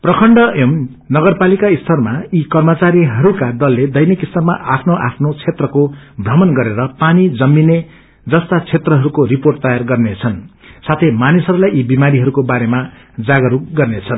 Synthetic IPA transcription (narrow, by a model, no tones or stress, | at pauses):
prʌkʰʌɳɖʌʔem | nʌɡʌrpalikaist̪ʰʌrmaikʌrmʌt͡saɾiɦʌɾukad̪ʌlːed̪ʌjnikist̪ʌrmaʔapʰnoʔapʰnot͡sʰet̪rʌkobrʌmʌnɡʌɾeɾʌpanid͡zʌmːine | d͡zʌst̪at͡sʰet̪rʌɦʌɾukoɾiporʈt̪ʌjarɡʌrnet͡sʰʌn | sat̪ʰejmanisɦʌɾulajʔibimaɾiɦʌɾukobaɾema | d͡zaɡʌɾukɡʌrnet͡sʰʌn